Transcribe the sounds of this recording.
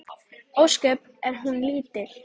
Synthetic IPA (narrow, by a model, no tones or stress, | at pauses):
owskœp | ɛɾɦunliːt̪ɪ